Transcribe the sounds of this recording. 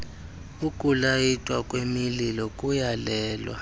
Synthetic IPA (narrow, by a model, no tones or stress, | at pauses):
ukʼulajitʼwakʼwemililɔkʼujalɛːlwa̰